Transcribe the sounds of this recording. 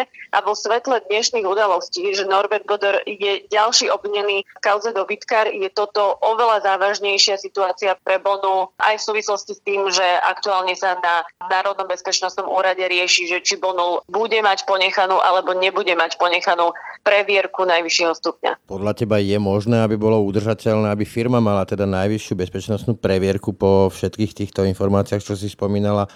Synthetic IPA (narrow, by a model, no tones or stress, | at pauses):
ʔa̰ʋɔsʋɛt̪lɛd̪ɲɛʃniːɣud̪alɔsciːʒɛnɔɾbɛɾd̪̚bɔd̪ɔɾjɛɟalʃiːɔbʋiɲɛniːfkaʊzɛd̪ɔbit̪kaɾjɛt̪ɔt̪ɔʔɔʋɛlazaːʋaʒɲɛjʃɪasit̪uaːt͡siapɾɛbɔnuʔa̰jfsuːʋislɔscist̪iːmʒɛa̰kt̪uaːlɲɛsananaːɾɔd̪nɔmbɛspɛt͡ʃnɔst̪nɔmuːɾaɟɛɾɪɛʃiʒɛt͡ʃibɔnubuɟɛmacpɔɲɛxanuːʔalɛbɔɲɛbuɟɛmacpɔɲɛxanuːpɾɛʋɪɛɾkunajʋiʃɪɛɦɔst̪upɲa̰pɔd̪ʎacɛbajɛmɔʒnɛːabibɔlɔud̪r̩ʒacɛʎnɛːabifiɾmamalat̪ɛd̪anajʋiʃjubɛspɛt͡ʃnɔst̪nuːpɾɛʋɪɛɾkupɔfʃɛt̪kiːxt̪iːxt̪ɔinfɔɾmaːt͡siaxt͡ʃɔsispɔmiːnala